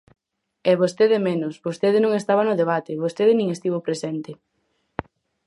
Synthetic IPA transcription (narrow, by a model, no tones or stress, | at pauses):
ɛβost̪eðemenʊsbost̪eðɪnõŋest̪aβanʊðeβat̪eβost̪eðɪnĩŋest̪iβopɾesɛnt̪ɪ